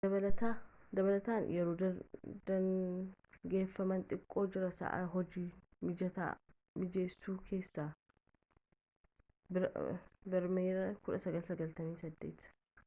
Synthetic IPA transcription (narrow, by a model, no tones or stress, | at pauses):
d̪ɐβɐlɐt̪ad̪ɐβɐlɐt̪aːnjɛɾuːd̪ɐd̪̥ɐn | ɡe̞ːfːɐmɐnt̪ʼɪkʼːo̞ːd͡ʒɪɾɐsɐ̰ʔɐ̰ɦɔd͡ʒiːmɪd͡ʒɐt̪a̰ | mɪd͡ʒe̞ːsːuːkʰe̞ːsːaː | b | bɐɾmeːɾɐkʊᶑɐsɐɡɐlsɐɡɐlt̪ɐmiːsɐd̪ːe̞̰ːt̪